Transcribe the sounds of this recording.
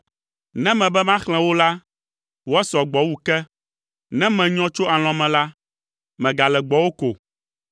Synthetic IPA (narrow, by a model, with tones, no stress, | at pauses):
nɛ̃˦mɛ̃˨bɛ˦mã˦xl̃ɛ̃˨˦wo˦la˦ | wɔ˦sɔ˨ɡ͡bɔ˨wu˦kɛ˦ | nɛ̃˦mɛ̃˨ɲɔ̃˦t͡ʃo˦a˨l̃ɔ̃˨mɛ̃˨la˦ | mɛ̃˨ɡa˨lɛ˨ɡ͡bɔ˨wo˦ko̰˨